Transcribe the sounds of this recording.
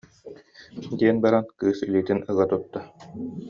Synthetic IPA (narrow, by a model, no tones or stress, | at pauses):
d̪iɛnbaɾankɯːsiliːt̪inɯɣat̪ut̪ːa